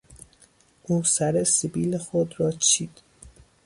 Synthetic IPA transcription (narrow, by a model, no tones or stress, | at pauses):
ʔuːsæɾesibiːlexod̪ɾɒːt͡ʃʰiːd̪̥